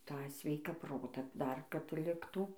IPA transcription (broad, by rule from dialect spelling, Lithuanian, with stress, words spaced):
ˈtɑː ˈsʲʋʲɛɪkɑː ˈproːtɑː ˈdɐr kɐt ˈlʲɪktuː